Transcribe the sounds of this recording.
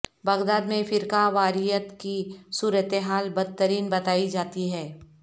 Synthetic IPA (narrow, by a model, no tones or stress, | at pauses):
bɐɣd̪aːd̪mẽfɪɾkaʋaːɾijət̪kisuːɾət̪eɦaːlbɐd̪̚t̪ːəɾiːnbɐt̪aːid͡ʒaːt̪iɦɛː